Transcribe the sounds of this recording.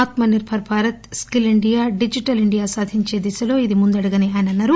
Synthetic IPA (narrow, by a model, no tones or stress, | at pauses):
aːt̪mɐniɾbʱɐɾpʰaːɾɐt̪skiliɳɖijaːɖid͡ʒiʈɐliɳɖijaːsaːd̪ʱiɲt͡ʃeːd̪isɐlo̞ːid̪imund̪ɐɽuɡɐneaːjnɐnːɐɾu